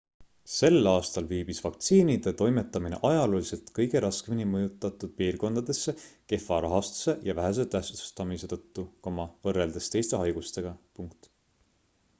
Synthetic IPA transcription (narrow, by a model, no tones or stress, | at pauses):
se̞lːɑːst̪ɑlviːb̥isvɑk̚t̪siːnid̪̥e̞t̪o̞jme̞t̪ːˑɑmine̞̰ʔɑjɑloːlise̞lt̪kɤjɡ̥e̞ɾɑskeminimɤjut̪ˑːɑt̪ːˑud̪̥̚piːrɡo̞nd̪ɑd̪̥e̞sːe̞ke̞fɑɾɑɦɑst̪u̥se̞jɑvæɦes̬e̞t̪æhsuu̥st̪ɑmise̞t̪ɤt̪ːuko̞mɑvɤre̞ld̪̥e̞st̪e̞jst̪e̞ɦɑjɡ̥ust̪e̞ɡ̥ɑpuŋkt̪